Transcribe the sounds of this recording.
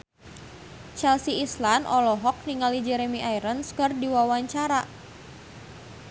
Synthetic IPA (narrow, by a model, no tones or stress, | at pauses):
t͡ʃɛlsiislanʔɔlɔɦɔk̚niŋalid͡ʒɛɾemiʔaiɾənskərdiwawaɲt͡ʃaɾa